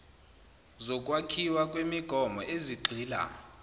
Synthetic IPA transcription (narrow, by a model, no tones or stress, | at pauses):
zɔkʼwakʰiwakʼwemiɡ̥ʱɔmʱɔʔeziɡ͡ǀʱiːla̰